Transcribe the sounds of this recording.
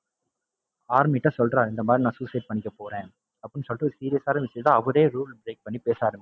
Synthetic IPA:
aːɾmɪʈːasɔlɾaːɾɪnd̪ɐmaːd̪ɾinãːsusɐɪʈ̚pɐɳːɪkːɐpoːɾẽː | ɐpːɯnɯsɔlʈːɯsiːɾɪjɐsaːɾɯmʋɪsɛt̪ːãːɐʋɯðeːɾuːlbɾeːk̚pɐɳːipeːsaːɾɯm

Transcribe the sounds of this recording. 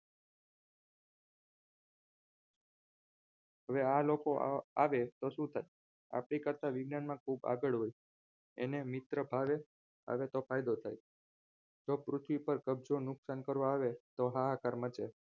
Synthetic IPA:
ɦəʋealokoaʋet̪oʃũt̪ʰaj | a̰pɽikəɾt̪aʋɪɡnanmãkʰuba̰ɡəɭɦoj | ḛnemɪt̪ɾəbʱaʋe | a̰ʋet̪ofajd̪ot̪ʰaj | d͡ʒopɾʊt̪ʰʋipəɾkəb̚d͡ʒonʊksankəɾʋaaʋet̪oɦaɦakaɾmət͡ʃe

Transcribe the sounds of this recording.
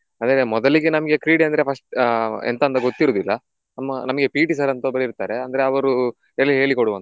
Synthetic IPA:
ɐnd̪ɐɾemɔd̪ɐlːiɡenɐmɐɡe̞kɾiːɽiɐnd̪ɐɾe̞pʰɐʂʈ̚ɛ̰nt̪ɐnt̪ɐɡot̪ːiɾoːd̪ilːɐ | nɐmːɐnɐmɐɡe̞piːʈis̬ɐɾɐnt̪ɐbɐɾiɾt̪aːɾe̞ɐnd̪ɐɾe̞ɐʋɐɾu | ɦeːliɦe̞ːɭikoɽuʋɐnt̪ɐ

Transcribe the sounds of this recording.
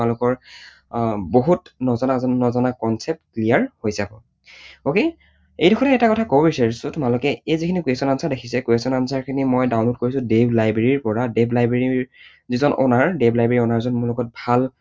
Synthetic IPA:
alʊkɔɹ | boɦutnɔzɔnanɔzɔnakɔnsɛp̚tklijaɹhojsɛbɔ | oke | ejdɔkʰɔnɛɛtakɔtʰakobɔbisaɹisʊ̃tʊmalʊkɛejzikʰinikuwesɔnansaɹdekʰisɛkwesɔnansaɹkʰinimojdaw̃lot̚koɹisʊ̃deblajbɹeɹiɹpɔɹadeblajbeɹiɹ | zizɔnʔɔ̰naɹdeblajbɹeɹiɔnaɹzɔnmʊɹlɔɡɔt̚bʱal

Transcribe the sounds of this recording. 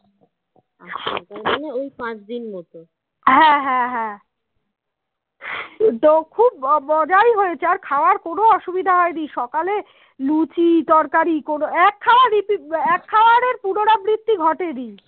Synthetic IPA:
a̰ʃat̪aaneojpãt͡ɕd̪inmɔt̪o | ɦɛ̃ɦɛ̃ɦɛ̃ | t̪okʰubbɔd͡ʑajɦojet͡ɕʰeaɾkʰaoaɾkonoɔʃubid̪ʱaɦoenijʃɔkale | lut͡ɕit̪ɔɾkaɾikonoɛkʰːawaɾːipiɛkʰːaoaɾeɾpunoɽabɾit̪ːiɡʱɔʈenij

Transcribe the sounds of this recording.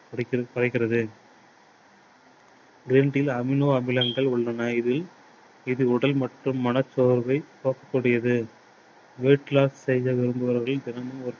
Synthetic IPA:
pɐrɐɪkːɪrɐðɯ | ɡɾeɳɖɪlɐmɪnoːɐmɪlɐŋɡɐɭʊɭːɐnɐɪðɪl | ɪðɯʊɽɐlmɐʈrɯmːɐnɐt͡ʃːoːɾʋɐɪt̪oːkːɐ̥kːuɽɪjɐðɯ | ʋeːʈlaːssɛjðɐʋɪɾɯmb̪ɯʋɐɾɣɐɭd̪ɛnɐmɯmɔɾ

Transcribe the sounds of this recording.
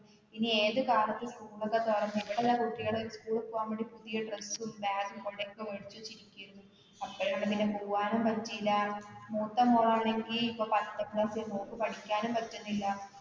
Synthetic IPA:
inieːðɨkaːɭɐt̪ːilskuːɭokːet̪ːoɐrɐɲːueʋiɽelakuʈːiɣɐɽeoɾuskuːɭupuɐmːɐɽipuðijɐɖresumbaːd͡ʑumkoɭepːoʋeɻit͡ɕːut͡ɕiɾikʲːijɾunːu | ɐpːoɾeʋɐɽeminːepoɣʋaːnumpɐt͡ɕːilːɐmuːt̪ːɐmoraːɳeŋɡilipːoːpɐlt̪ːɐkːlɐsinoːkːɨpɐʈʰikʲːaːnumpɐtːunːilːɐ

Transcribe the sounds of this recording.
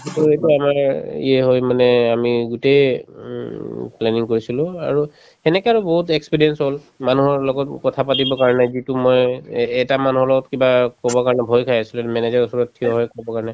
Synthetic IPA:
tɔetamaɹḭɛɦojmanɛamiɡutej | plɛniŋkoɹisilʊ̃a̰ɹu | ɛnɛkɛaɹuboɦutekspiɹijensɦol | manuɦɔɹlɔɡɔtkɔtʰapatibɔkaɹɔnɛzitumojɛtamanuɦɔlɔɡɔtkibakobɔkaɹɔnɛbʱojkʰajasilemɛnɛzaɹusɔɹɔttʰːijɔɦɔjkɔbɔkaɹɔnɛ

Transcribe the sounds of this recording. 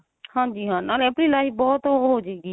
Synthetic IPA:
hãːd͡ʒiɦãnãnɐpnilaɪp̚ʰbɔːɔt̪ɦod͡ʒaɡi

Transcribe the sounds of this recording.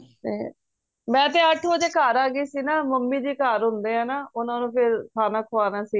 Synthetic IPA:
t̪eː | mɛ̃ːt̪̬eːəʈʰoːd͡ʒeːkaːɾaːɡiːsiːnaːməmːiːd͡ʒiːkaːɾɦʊnd̪eːãːnaːʊnãːnũːpʰɪɾkʰaːnaːkʰʊʋaːnaːsiː

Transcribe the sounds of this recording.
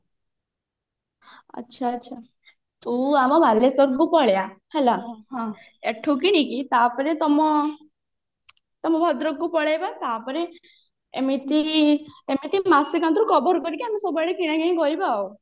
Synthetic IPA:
ə̰tːʃʰaətːʃʰa | t̪uamɔbalesɔɾɡupəɭjahɛlaɦã | eʈʰukinikit̪apəɾet̪ɔmɔ | t̪ɔmɔbʱɔd̪ɾɔɡːupɔɭejbat̪apəɾe | emit̪iemit̪imasikãnt̪ɾukɔbɔɾkɔɾikiamisobaɽekiɽ̃akiɽ̃ĩkɔibaw

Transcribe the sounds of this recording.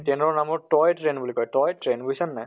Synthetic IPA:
tenɛɹɔnamɔɹʈɔjtɹenbulikɔjtɔjtɹenbuisanːaj

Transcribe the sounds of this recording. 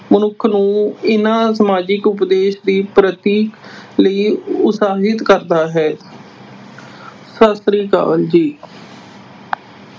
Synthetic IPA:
mənʊkʰnũːɪnãːsəmaːd͡ʒɪkʊp̬d̪eːʃd̪iːpɾət̪iːkləiːʊsaːɦɪt̪kəɾd̪aːɦɛː | səst̪ɾiːka̰ːld͡ʒiː

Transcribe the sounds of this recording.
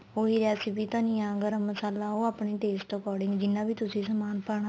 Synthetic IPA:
oːiːɾaːsipiːt̪ãːnĩːãːɡəɾəmːəsaːlaːɦoːaːpɳiːʈeːsʈːkɔːɖɪŋɡd͡ʒɪnːãːbiːt̪ʊsĩːsəmaːnpaːɳa

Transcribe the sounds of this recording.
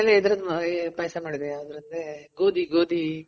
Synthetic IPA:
lːeed̪ɐɾɐd̪pɐjsɐmaːɽid̪eaːd̪ɐɾind̪eɡoːd̪ʱiɡoːd̪ʱi

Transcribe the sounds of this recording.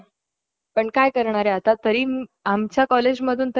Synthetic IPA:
pəɳkajkəɾɳ̃aɾeat̪at̪əɾiːamt͡ɕjakɔled͡ʑməd̪ʱuːnt̪ə

